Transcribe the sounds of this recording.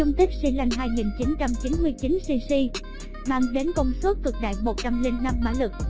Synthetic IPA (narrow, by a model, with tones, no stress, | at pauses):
ʊ˧wŋ͡mt̪i˦˥k̟̚si˧la˧jŋ̟ɦaː˧jŋi˨˩nt͡ɕi˨˦nt͡ɕa˧mt͡ɕi˨˦nmɨ˧əjt͡ɕi˨˦nsi˧si˧ | maː˧ŋɗe˨˦nkə˧wŋ͡mswə˦˥t̚kɨ˨˩k̚ɗa̰ː˧˨jmo˨˩t̚t͡ɕa˧mli˧nːa˧mːa̰ː˧˥lɨ˨˩k̚